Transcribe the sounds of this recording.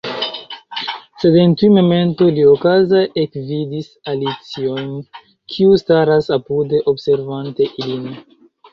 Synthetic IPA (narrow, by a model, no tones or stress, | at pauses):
se̞dentiumo̞me̞nto̞liokazaʔekvidisalit͡sio̞jn | kʰiustaɾasapudeʔo̞bse̞ɾvante̞ʔilin